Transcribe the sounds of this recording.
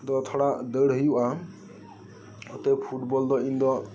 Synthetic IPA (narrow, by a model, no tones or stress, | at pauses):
d̪ɔt̪ʰɔɽad̪əɽɦijuʔa | ɔt̪epʰuʈbɔld̪ɔind̪ɔ